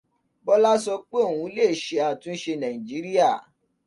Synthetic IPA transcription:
bɔ˦la˦sɔ˧k͡pe˦o˦˨wũ˧˦le˦˨ʃe˨a˨tũ˨˦ʃe˧nã˨ĩ˨d͡ʒi˨˦ɾi˦a˦˨

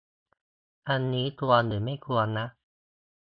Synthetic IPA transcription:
ʔa˧nːiː˦˥t̪u˧ɐnɯː˩˦ma˥˩jkʰu˧ɐnːa˦˥ʔ

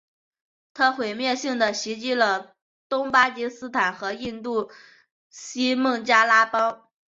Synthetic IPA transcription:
t̪ʰa˥xwe˨˩ɪmjɛ˥˧ɕi˥˩ŋd̪ə˩ɕi˧˥t͡ɕi˥lə˨ | t̪ʊ˥ŋpa˥t͡ɕi˧˥sɹ̩˥t̪ʰa˨˩nxɤ˧˥i˥˧nt̪u˥˩ | ɕi˥mɤ˥˩ŋt͡ɕja˥la˥pɑ˥ŋ

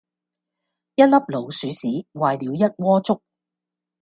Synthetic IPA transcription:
jɐ˥t̚lɐ˥p̚lo˨˩wsyː˨˥siː˨˥waː˨jliː˨˧wjɐ˥t̚wɔː˥t͡sʊ˥k̚

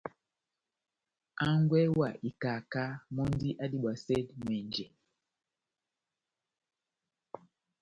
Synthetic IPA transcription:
a˦ŋɡwɛ˦wa˨ʔi˨ka˨ka˦mɔ˦ndi˦ʔa˦ɗi˨ɓwa˨sɛ˦dmwɛ˨ɲd͡ʒɛ˨

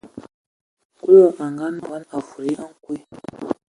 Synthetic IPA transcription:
ku˦lo˦˨ʔa˨ŋɡa˦na˨ɡa˦na˨fu˨ɾi˦ʔa˦ŋ˦kwe˦

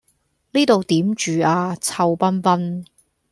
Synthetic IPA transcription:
liː˥t̪o˨wt̪iː˨˥mt͡ʃyː˨aː˧t͡sʰɐ˧wpɐ˥npɐ˥n

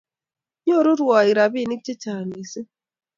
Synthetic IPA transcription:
ɲ˦ɔ˦˨ɾu˦ɾwa˨i˨ɾa˨bi˦˨ni˦t͡ʃe˦t͡ʃa˨ni˨se˦

